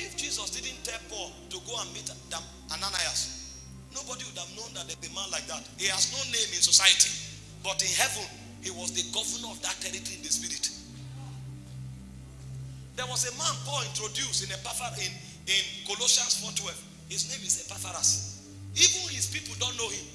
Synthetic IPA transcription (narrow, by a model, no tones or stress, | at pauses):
ifd͡ʒizɔsdid̃n̩tɛpɔl | tuɡoãnmitdãm | ʔananajas | nobɔdiwudavnõnðat̚dðɛbimãnlaɪk̚ðathihaznonẽmɪ̃nsosaɪjəti | b̥ɔtĩnɦɛvə̃n | hiwɔzðəɡɔvənəɔfdat̚ɛɾitĩndəspiɾit | ðɛwɔzemãnfɔĩntɹodjustĩnepafãn | ɪ̃nkolosasfɔtwɛv | hiznẽmizepafaɹas | ivə̃nhispipl̩ˠdõnːohĩm